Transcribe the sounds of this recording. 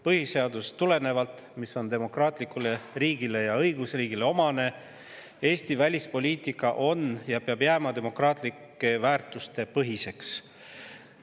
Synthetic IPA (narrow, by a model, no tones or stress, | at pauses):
pɤhise̞ɑd̪̥ust̪ːule̞ne̞vɑlt̪ˑ | miso̞nd̪e̞mo̞krɑːt̪ˑlikːˑule̞riːɡ̥ile̞jɑɤjɡ̥usriːɡ̥ileo̞mɑne̞ | e̞ːst̪ivælʲispo̞lʲiːt̪ˑikːˑɑʔo̞njɑpeɑbjæːmɑd̪e̞mo̞krɑːt̪ˑlikˑːe̞væːrt̪ˑust̪e̞pɤɦise̞ks